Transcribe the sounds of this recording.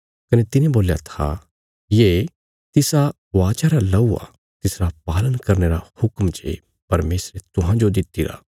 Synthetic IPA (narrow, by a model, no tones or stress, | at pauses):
kɐnet̪ɪnẽboːlja̰t̪ʰa̰ | jeː | t̪ɪsa | ʋaːt͡ʃaɾalɐuːa̰ | t̪ɪsɾap̚aːlənkɐɾneɾahʊkmt͡ʃḛ | pɐɾmeːsɾet̪ʊɦãd͡ʒod̪ɪt̪ːiɾa̰ː